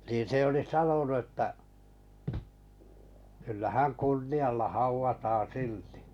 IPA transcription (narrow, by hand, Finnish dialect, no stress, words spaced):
nin̞ se oli sɑnonu ĕtːæ kylːæ hæn kunːiɑlːɑ hɑuʋɑtɑːn̞ silti̥